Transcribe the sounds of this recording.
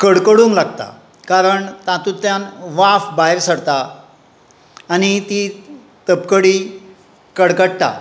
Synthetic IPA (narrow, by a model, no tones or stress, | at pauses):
kəɽkəɽuːnlaɡt̪a̰ | kaɾəɳt̪ãt̪ũt̪jãnʋafbajɾsəɽt̪a | nit̪i | t̪əpkəɽiː | kəɽkəɽt̪a̰